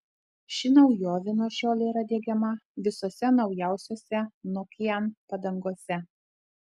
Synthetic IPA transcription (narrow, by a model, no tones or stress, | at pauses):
ʃʲɪnɐʊjoːʋʲɪnoːʃʲoːlʲɛiːɾɐd̪ʲeːɡʲɛmɐʋʲɪsoːsʲɛnɒʊjæˑʊsʲoːsʲɛnʊkʲɪjɛnpɐd̪ɐŋɡoːsʲɛ